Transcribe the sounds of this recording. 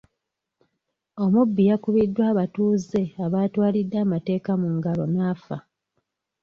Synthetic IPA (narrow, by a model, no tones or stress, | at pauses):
o̞mubːijakuβidːwaːβatuːze̞aβaːtwaːlidːaːmate̞ːkamuŋɡalo̞naːfa̰